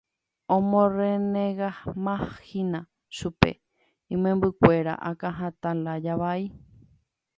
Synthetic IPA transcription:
õmõɾenẽɣahmãhinã | ʃupe̞̰ | ĩmẽmbɨkʷe̞ɾa̰ʔakãɦãt̪alad͡ʒaʋai

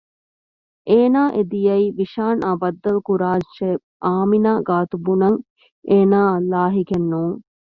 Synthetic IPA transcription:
ʔeːnaːʔed̪ijɐiːʋiʃaːnʔabɐd̪ːɐlukuɾaːʃe | ʔaːminaːɡaːt̪ubunɐŋ | ʔeːnaːɐlːaːɦikenːuːŋ

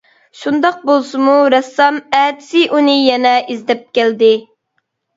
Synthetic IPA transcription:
ʃund̪ɑq̚bolˠsɨmuɾɛsːɑmɛːd̪ɪ̥sɪʔunɨjɛnɛʔizd̪ɛp̚kʲɛld̪ɪ

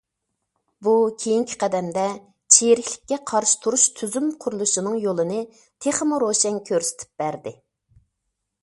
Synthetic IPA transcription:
bukʲʰejiŋkʲʰi̥qʰɛd̪ɛmd̪ɛ | t͡ʃʰeɾɪkʲlɪkʲːɛqʰɑɾʃi̥t̪ʰuɾuʃt̪ʰyzymqʰʊɾlˠuʃinɨŋjolˠɨnɨ | t̪ʰeχəmuɾoʃɛŋkʲʰøɾsɪ̥t̪ʰɪ̥p̚b̥æɾd̪ɪ

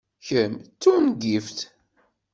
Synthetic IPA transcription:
çəmt͡sːunɡift̪

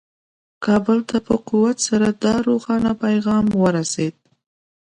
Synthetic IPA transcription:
kɑbəlt̪ʰapəquwat̪saɾad̪ɑɾoxɑnapajɣɑmwəɾased̪̚

